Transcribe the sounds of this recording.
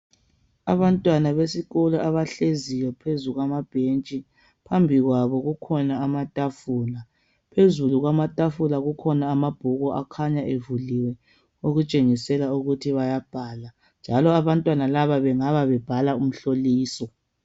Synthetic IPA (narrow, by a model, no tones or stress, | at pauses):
a̰βantʼwanaβesiɣɔlɔʔaβaɬezijɔpʰezuɣwamab̥ʱent͡ʃʼi | pʰambʱiɣwaβɔɣukʰɔnaːmatʼafuːla | pʰezuluɣwamatʼafulaɣukʰɔnaːmab̥ʱuɣɔʔakʰaɲaʔevuliwɛ | oɣut͡ʃʼeŋisɛlauɣutʰiβajab̥ʱaːla | nd͡ʒʱalɔaβantʼwanalaβaβɛŋaβaβɛb̥ʱalaum̩ɬoliːsɔ